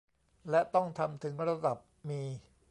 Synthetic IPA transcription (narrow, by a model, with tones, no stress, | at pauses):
lɛ˦˥t̪ɔ˥˩ŋt̪ʰa˧mt̪ʰɯ˩˦ŋɾa˧da˨˩p̚miː˧